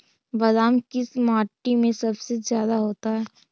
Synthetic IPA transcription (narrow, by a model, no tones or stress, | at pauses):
bɐd̪aːmkɪsmaːʈːimẽsɐbsezjaːd̪aɦoːt̪aɦɛː